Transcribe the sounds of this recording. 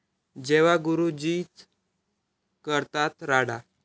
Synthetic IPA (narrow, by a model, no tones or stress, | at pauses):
d͡ʑeʋaɡuɾud͡ʑiːt̪ | kəɾt̪at̪ɾaɽa